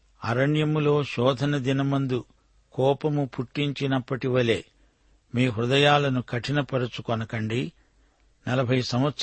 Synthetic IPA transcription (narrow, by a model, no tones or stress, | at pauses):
ɐ̰ɾɐɳjɐmulo̞ːʃɔːd̪ʱɐnɐd̪inɐmɐnd̪u | kɔːpɐmupʰuʈːiɲt͡ʃinɐpːɐʈiʋɐle̞ː | miːɦɾud̪ɐjaːlɐnukʰɐʈʰinɐpɐɾut͡ʃukɔnɐkɐɳɖi | nɐlɐbʱɐjsɐm̃ʋɐt̪s